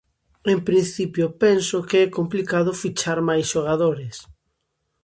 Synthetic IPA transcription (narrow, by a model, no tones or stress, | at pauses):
empɾin̟θipjopɛnsʊkeɛkomplikaðʊfit͡ʃaɾmajsʃoɣ̞aðoɾɪs